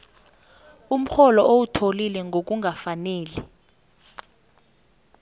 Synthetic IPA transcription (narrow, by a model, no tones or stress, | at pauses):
um̩xɔlɔʔowutʰolilɛŋɡʱok̬uŋʱafanɛːli